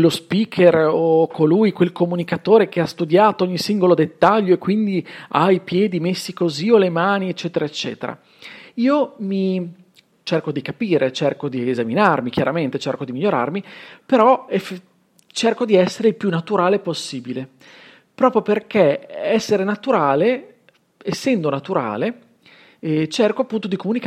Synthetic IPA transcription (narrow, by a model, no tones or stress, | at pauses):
wlːospiːkʰerokʰolujkwelkomunikat̪oːɾek̟east̪ud̪jaːt̪oɔɲːisiŋɡolod̪et̪ːaʎːoekːwind̪ia̰jpjɛːd̪imesːikoziolemaːniet͡ʃːɛːt̪eɾaet͡ʃːɛ̰ːt̪eɾa̰ | iːomi | t͡ʃerkod̪ikapiːɾet͡ʃerkod̪iezaminarmikjaɾament̪et͡ʃerkod̪imiʎːoɾa̰rmipeɾɔef | t͡ʃerkod̪iɛsːeɾeilpjunːat̪uɾaːleposːiːbile | pɾɔːpɾjoperkeɛsːeɾenat̪uɾaːle | esːɛnd̪onat̪uɾa̰ːle | t͡ʃerkoapːunt̪od̪ikomunik